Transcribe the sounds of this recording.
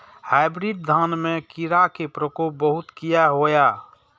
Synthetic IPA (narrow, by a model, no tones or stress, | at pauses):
haɪbɾid̪̚d̪ʱanmekiɾakepɾəkop̚bəɦut̪kijaɦoja